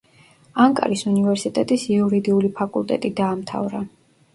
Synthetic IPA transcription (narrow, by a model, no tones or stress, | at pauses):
aŋkʼa̰ɾisunivɛɾsit̪ʼɛt̪ʼisiuɾid̪iulipʰakʼulˠt̪ʼɛt̪ʼid̪aːmt̪ʰa̰vɾa